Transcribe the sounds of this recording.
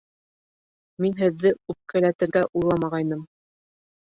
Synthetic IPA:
minɦɘ̆ðːɘʉp̚kælæt̪ɘ̆ɾɡæʔulˠɑmɑʁɑjnɤm

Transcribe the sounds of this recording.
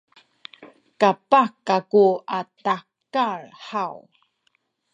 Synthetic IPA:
kapakakuatakarħaw

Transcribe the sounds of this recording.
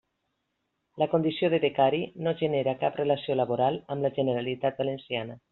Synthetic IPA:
ləkond̪isioðeðekaɾinoʒeneɾakapreləsioləβoɾalˠəmləʒeneɾalit̪at̪̚balensianə

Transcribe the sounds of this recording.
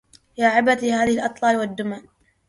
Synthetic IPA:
jaːʕɪbat̪ihaːðɪhɪlʔɑt̪ˤlɑːlwad̪ːʊman

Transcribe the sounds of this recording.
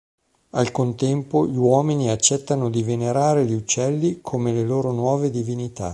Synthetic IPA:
alkont̪ɛmpoʎiwɔːminiat͡ʃːɛt̪ːanod̪iveneɾaːɾeʎiut͡ʃːɛlːikʰomeleloːɾonwɔːved̪ivinit̪a̰

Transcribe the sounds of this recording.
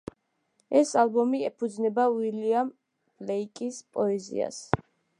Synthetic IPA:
ɛsalbɔmiɛpʰud̪znɛbawiliam | b̥lɛikʼispʼɔɛzḭa̰s

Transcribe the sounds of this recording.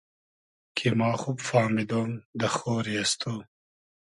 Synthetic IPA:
kʰemɑːxubfɑːmid̪oːmd̪əxoːɾiast̪ʰoː

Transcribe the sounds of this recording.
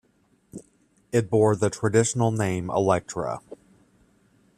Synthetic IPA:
ɨt̚b̥ɔɹ̚ðɨtʰɹ̥ɨdɪʃn̩l̩ˠnẽɪ̃mə̰lɛk̚tɹ̥ə̰

